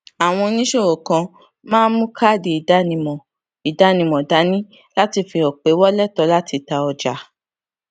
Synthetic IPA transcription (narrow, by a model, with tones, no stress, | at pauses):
a˨w̃ɔ̃˧nĩ˦ʃo˦˨o˨kã˧ | mãː˦mũ˦kʰa˦˨de˨i˨da˦nĩ˧mɔ̃˨ | i˨da˨˦nĩ˧mɔ̃˨da˨˦nĩ˦ | la˦ti˧fi˧ɔ˨k͡pe˨˦wɔ˦lɛ˦˨tɔ˨˧˦la˦ti˧ta˧ɔ˧d͡ʒa˨˦